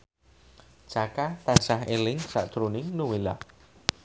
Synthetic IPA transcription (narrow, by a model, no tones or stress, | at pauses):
t͡ʃakat̪ḁt͡ʃaɦelɪŋsa̰ʔd̪̥ɾunɪŋnuwela̰